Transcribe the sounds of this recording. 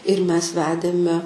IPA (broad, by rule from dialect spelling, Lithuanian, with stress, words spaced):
ɪr ˈmʲɛs ˈʋʲæːdʲeːmʲɛ